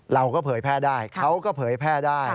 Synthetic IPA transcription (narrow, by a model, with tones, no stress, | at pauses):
ɾa˧wkɔː˥˩pʰɤː˩˦jpʰɛː˥˩daː˥˩jkʰa˦˥wkɔː˥˩pʰɤː˩˦jpʰɛː˥˩daː˥˩j